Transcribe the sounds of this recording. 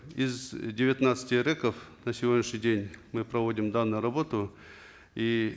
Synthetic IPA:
ɪzdʲɪvʲɪt̪nat̪sə̥tʲɪɾɛkəfnəsʲɪvʲo̞dʲnʲɪʂnʲɪjdʲenʲmɨpɾɐvo̞dʲɪmd̪anːʊjʊɾɐbo̞t̪ʊ | i

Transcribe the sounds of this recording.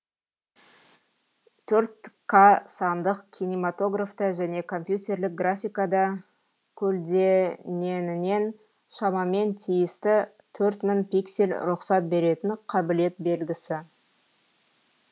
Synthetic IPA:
t̪ʰɵɾt̪kʰasɑnd̪əqkʲʰinimat̪o̞ɡraft̪əʒæne̞kʰo̞mpjut̪ʲe̞rlɪk̚ɡrafʲijkɑd̪ɑ | kʲʰɵld̪e̞ne̞nɪne̞n | ʃɑmɑme̞nt̪ʰijɪst̪ɪ | t̪ʰɵɾt̪mɪnpʲikse̞lʲɾʊqsɑt̪̚be̞ɾe̞t̪ɪnqʰɑbɪle̞t̪̚be̞lɡʲɪsɪ

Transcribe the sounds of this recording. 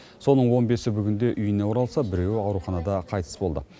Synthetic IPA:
so̞nəɴwo̞nbe̞sɪbʏɡʲɪnd̪e̞ʔʏjɪnewoɾɑlˠsɑbɪɾe̞wɑwɾuχɑnɑd̪ɑqʰɑjt̪ʰə̥sbo̞lˠd̪ə̰

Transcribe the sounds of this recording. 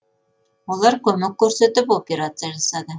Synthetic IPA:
ulˠɑɾkɵmɘkːɵ̆ɾsɘ̆t̪ɘpopʲeɾat̪sɨjaʒɑsɑd̪ɤ

